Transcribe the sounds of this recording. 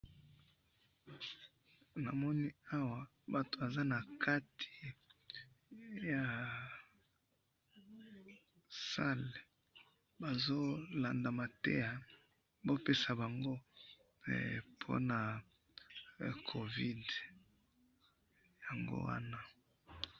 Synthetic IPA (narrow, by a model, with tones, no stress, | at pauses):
na˨mɔ˦ni˦a˦wa˨ | ba˨to˨ba˨za˦na˨kʰa˦tʰi̥˨ | ja˨ | sa˦le˨ | ba˨zo˦la˨nda˨ma˨tḛ˦ja˨ | bo˦pe˦sa˨ba˨ŋɡo̰˦˨ | pʰo̰˦na˨ | kʰo˨vi˦d | ja˨ŋɡo̰˦wa̰˦na˦